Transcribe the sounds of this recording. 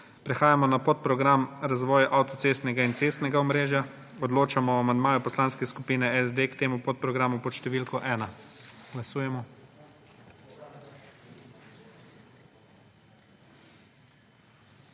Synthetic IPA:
pɾɛxaːjamɔnapot̪̚pɾɔɡɾamɾazʋɔːjʔawt̪ɔt̪seːst̪nɛɡaint̪seːst̪nɛɡaɔmɾeːʒja | ɔd̪loːt͡ʃamɔamand̪maːjupɔslaːnskɛskupiːnɛɛzd̪eːkt̪eːmupot̪̚pɾɔɡɾaːmupɔt̪ʃt̪ɛʋiːlkɔʔɛːnaɡ̥lasuːjɛmɔ

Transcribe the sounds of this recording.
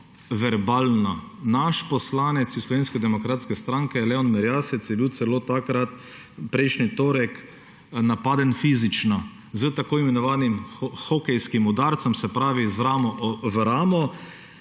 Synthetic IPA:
ʋɛɾbaːlnanaʃpɔslaːnɛt̪sislɔʋeːnskɛd̪ɛmɔkɾaːt̪skɛst̪ɾaŋkɛlɛɔnmɛɾjaːsɛt̪sjɛbiwt̪sɛloːt̪akɾat̪ | pɾɛɪjʃnit̪oːɾɛk | napaːd̪ənfiːzit͡ʃna | zəwt̪akoːimɛnɔʋaːnimxɔkɛjskimud̪aːɾt̪sɔmsɛpɾaːʋizɾaːmɔʔvɾaːmɔ

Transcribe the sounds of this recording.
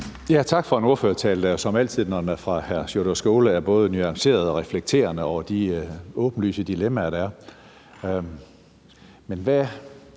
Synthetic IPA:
jæt͡sʰɑ̈ɡ̥fɒ̽e̝no̝ɐfø̰ːɐt͡sʰɛ̰ːləd̥æjosɒ̽mæl̰t͡sʰið̞̰ˠnɒdenæɐfʁɑ̈hæɐsjoɾ̥ɐsɡ̥o̝ːləæɐb̥ɔ̽ːð̞̩ˠnyɑ̈ŋse̝̰ːɐð̞ˠɒ̽ʁɛfleɡ̥̚t͡sʰe̝̰ːɐnəɒʊɐd̥iɔ̽ːb̥n̩ly̰ːsəd̥ilemæɾ̥æɐ | menʋæ

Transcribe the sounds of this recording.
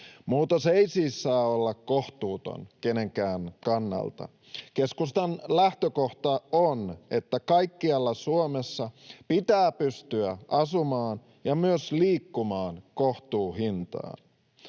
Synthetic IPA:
muːt̪ɑseisiːsːɑːolːɑkkoht̪uːt̪o̰nke̞ne̞ŋkæːnkɑnːɑ̰lt̪ɑ̰ | ke̞skust̪ɑnlæht̪øko̞ht̪ɑone̞t̪ːækɑjkːiɑlːɑsuomesːɑpit̪æːpyst̪yæʔɑsumɑːn | jɑmyøsliːkːumɑːnkoht̪uːɦint̪ɑ̰ː

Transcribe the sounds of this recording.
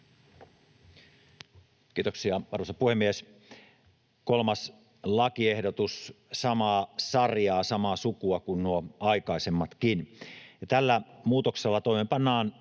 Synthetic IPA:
kiːt̪oksiɑʋɑrʋosɑpuhemːies | kolmɑs | lɑkiehdot̪ussɑmɑːsɑrjɑːsɑmɑsukuɑkunnuoɑikɑisemːɑt̪kinjɑt̪ælːæmuːt̪okselːɑt̪oimempɑnːɑːn

